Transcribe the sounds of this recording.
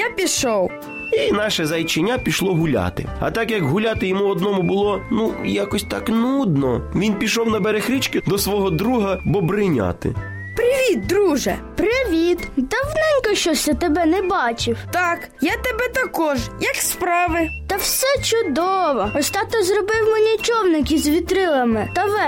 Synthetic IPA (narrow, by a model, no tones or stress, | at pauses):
japʲiʃɔw | inɑʃɛzɐjt͡ʃenʲːapʲiʃlˠɔɦʊlʲa̰t̪ɪ̰ɐ̰t̪ɑkjɐkɦʊlʲat̪ɪjɔmuɔd̪nɔmʊbʊlˠɔnujakɔsʲt̪ɑknud̪nɔʋʲinpʲiʃɔwnɐbeɾexɾʲit͡ʃkɪd̪ɔsʋɔɦɔd̪ɾuɦɐbɔbɾɪnʲa̰t̪ɪ̰ | pɾɪʋʲid̪̚d̪ɾuʒɛ̰ | pɾɪʋʲit̪d̪ɐwnɛnʲkɔʃt͡ʃɔsʲɛt̪ɛbɛnɛbɑt͡ʃɪwt̪ɑk | jat̪ebɛt̪ɐkɔʒjɐkspɾɑʋɪt̪ɐwsɛt͡ʃʊd̪ɔʋɔɔst̪ɑt̪ɔzrɔbɪwmɔnʲit͡ʃɔwnɪkʲizʋʲit̪ɾɪlˠɐmɪt̪ɐʋɛ